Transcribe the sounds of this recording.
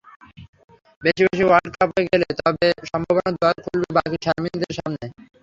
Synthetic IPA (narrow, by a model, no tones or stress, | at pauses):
beʃibeʃ̬iwaɖkapɦoeɡelet̪ɔbeʃɔmbʱabonad̪ɔaɾkʰulbebakiʃaɾmind̪eɾʃamne